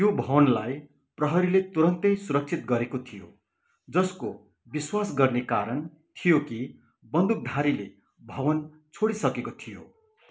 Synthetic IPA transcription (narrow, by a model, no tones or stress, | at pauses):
jobʱʌwʌnlaj | prʌɦʌɾilet̪uɾʌnt̪ʌjsuɾʌk̚t͡sʰit̪ɡʌɾekot̪ʰijo̰ | d͡zʌsko | biswasɡʌrnekaɾʌn | t̪ʰijoki | bʌnd̪uk̚d̪ʱaɾile | bʱʌwʌn | t͡sʰoɽisʌkekot̪ʰijo̰